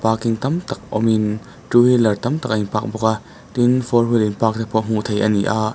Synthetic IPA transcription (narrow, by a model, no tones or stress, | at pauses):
paːkiŋt̪ɐmt̪ɐk̚ɔ̰min | tuhilɐrt̪ɐmt̪ɐk̚ʔinpak̚bɔka | t̪infɔrɦilinpak̚t̪apʰɔm̥ut̪ʰejʔɐnḭʔaːʔ